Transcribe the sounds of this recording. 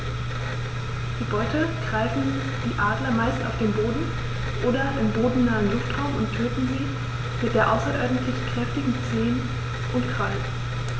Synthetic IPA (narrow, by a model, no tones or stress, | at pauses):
d̥iːbɔʏtəɡ̥ʁaɪfn̩ | d̥iːʔaːdlɐmaɪsta̰ʊfd̥eːnboːdn̩ | ʔoːdɐɪmboːdn̩naːənlʊftʁ̥aʊmʊntʰøːtn̩ziː | mɪt̚d̥eːɐʔaʊsɐʔɔɐdn̩tlɪçkʁ̥ɛftɪɡŋ̩t͡seːn | ʔʊntkʁ̥aɪ